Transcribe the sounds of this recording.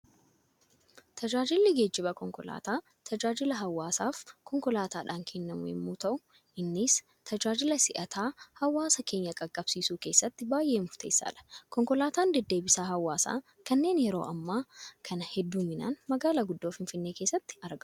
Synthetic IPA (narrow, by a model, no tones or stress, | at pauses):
t̪ʰɐd͡ʒaːd͡ʒɪlːɪɡe̞ːd͡ʒːɪbɐkɔŋkɔla̰ːt̪aː | t̪ʰɐd͡ʒaːd͡ʒɪlɐɦɐwːaːsaːfkɔŋkɔlaːt̪aːᶑaːŋkʰenːɐmʊ̰ɛ̰mːuːt̪ɐʔʊ | ʔɪnːɪs | t̪ʰɐd͡ʒaːd͡ʒɪlɐsɪʔɐt̪ʰaːhɐwːaːsɐkʰe̞ːɲːɐkʼɐkʼːɐb̥siːsuːke̞ːsːɐt̪ːɪbaːjʔe̞ːmʊɾt̪ʰe̞ːsːa̰ːᶑɐ̥kɔŋkɔlaːt̪aːnd̪ɛd̪ːe̞ːbɪsaːɦɐwːaːsa̰ː | kɐnːe̞ːnjɛɾo̞̰ːʔɐmːaːkʰɐnɐhɛd̪ːuːmɪna̰ːnmɐɡaːlaːɡʊd̪ːoːfɪnfɪnːe̞ːke̞ːsːɐt̪ːɪ̥ɐɾɡɐ